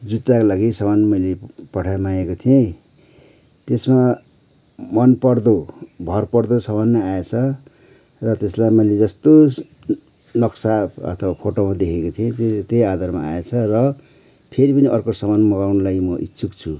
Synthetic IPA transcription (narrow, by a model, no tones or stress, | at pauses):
d͡zut̪ːakolaɡisʌbanmʌjlepʌʈʰamajekot̪ʰijẽ | t̪esma | mʌnpʌrd̪obʱʌrpʌrd̪osʌbanmaaet͡sʰʌ | rʌt̪eslajmʌjled͡zʌst̪o | nʌksaʌ̰t̪ʰʌwapʰoʈomad̪ekʰekot̪ʰiẽt̪t̪ejad̪ʱarma̰a̰et͡sʰʌrʌ | pʰeɾipʌniʔʌrkosʌmanmʌɡawnulajmʌʔitːsʰukt͡sʰu